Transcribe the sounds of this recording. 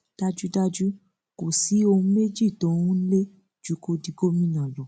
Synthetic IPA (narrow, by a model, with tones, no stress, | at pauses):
d̥a˦d͡ʒu˦da˦d͡ʒu˦ | ko˨si˨˦o˧ũ˦me˦d͡ʒi˦˨tɔ̃˨˦ũ˦n̩˦le˦ | d͡ʒu˦ko˧di˨˧ɡo˦mĩ˦nã˨lɔ˨